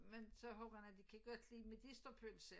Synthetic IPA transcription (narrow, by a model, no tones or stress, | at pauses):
mensɒ̽ɦɔːb̥ɐhænæd̥ikʰæɡ̥ɒd̥liːmed̥isd̥ɐpʰønse